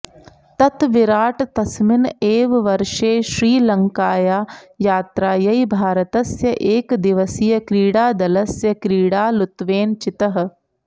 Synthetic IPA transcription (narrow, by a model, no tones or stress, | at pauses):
t̪ɐt̪ʋɪɾaːʈt̪ɐsmɪneːʋʋɐɾʃeːʃɾiːlɐŋkaːjaːjaːt̪ɾaːjɐibʱaːɾət̪ɐsjɐʔeːkd̪ɪʋəsijɐkɾiːɽaːd̪ɐlɐsjɐkɾiːɽaːlʊt̪ʋeːnt͡ʃɪt̪ɐɦ